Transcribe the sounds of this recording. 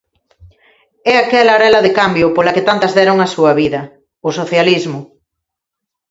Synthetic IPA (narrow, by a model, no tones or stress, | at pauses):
ɛakɛlaɾɛlɐðɪkambjʊpolɐkɪt̪ant̪ɐzðɛɾʊŋɐsuɐβiðɐ | ʊsoθjalizmʊ